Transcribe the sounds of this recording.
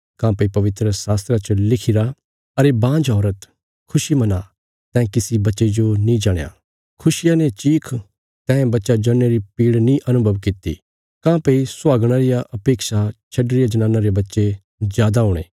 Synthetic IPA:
kãːpɐipɐʋɪt̪ɾəsaːst̪ɾat͡ʃəlɪkʰɪɾa | ɐɾebãːd͡ʒɔːɾət̪ | kʰʊʃimɐna | t̪ɛ̃ːkɪsibɐtːʃed͡ʒonĩd͡ʒaːɽ̃ja̰ː | kʰʊsɪjanet͡ʃiːkʰ | t̪ɛ̃ːbɐtːʃad͡ʒɐnːeɾipiːɽnĩʔɐnʊbʱəʋkɪt̪ḭ | kãːpɐisʊwaːɡɽ̃aɾɪjaʔɐpeːksat͡ʃʰɐɖɾɪjad͡ʒɐñãːnaɾebɐtːʃe | zjaːd̪aɦʊːɽ̃ḛː

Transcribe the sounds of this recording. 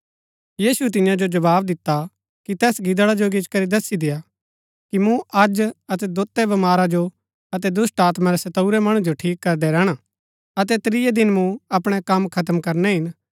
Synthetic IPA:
jiːsuɛt̪ɪ̃jãd͡ʒod͡ʒɐbaːbd̪ɪt̪ːa | kit̪ɛːsɡɪd̪ɽad͡ʒoɡɪt͡ʃkɐɾid̪ɐsːid̪ɪja | kimũʔɐd͡ʒɐt̪ɛd̪oːt̪ːɛbɐmaːɾad͡ʒo | ɐt̪ɛd̪ʊsʈaːt̪maɾɛsɐt̪ɐuɾɛmɐɽ̃ũd͡ʒoʈʰiːkːɐɾd̪ɛɾɛːɽ̃a | ɐt̪ɛt̪ɾijɛd̪ɪnmũɐpɽ̃ɛkɐmkʰɐt̪̬əmkɐɾnɛɦɪn

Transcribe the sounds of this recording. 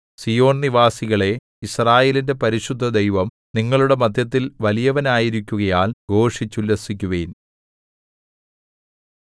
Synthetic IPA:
sijo̞ːnniʋaːsiɣɐɭe̞ | israːjeːlinde̞pɐɾiɕud̪ʱːɐd̪ejʋɐm | niŋːɐɭuɽe̞mɐd̪ʱjɐt̪̬ːilʋɐlijɐʋɐnaːjiɾikʲːuɣɐjaːlɡʱo̞ːʂit͡ɕːulesik̬ʲːuɣɐjin

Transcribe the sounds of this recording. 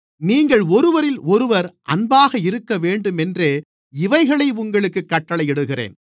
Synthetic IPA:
niːŋɡɐɭɔɾɯʋɐɾɪlɔɾɯʋɐɾʔɐnbaːɣɐɪɾɯkːɐʋeːɳɖɯmɛndreː | ɪʋɐɪɣɐɭɐɪʊŋɡɐɭɯkːɯkːɐʈːɐɭɐɪɛɽɯɣɪrḛːn

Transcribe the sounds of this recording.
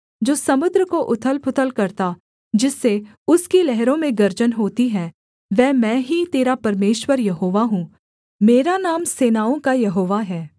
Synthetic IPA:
d͡ʒoːsɐmʊd̪ɾəkoʔʊt̪ʰəlpʰʊt̪ʰəlkɐɾt̪a | d͡ʒɪsːe | ʊskilɛɦɾõmẽɡɐɾd͡ʒənɦoːt̪iɦɛ̃ː | ʋɛːmɛ̃ːɦit̪eːɾapɐɾmeːʃwəɾjɐɦoːʋaɦũː | meːɾanaːmseːnaːõkajɐɦoːʋaɦɛː

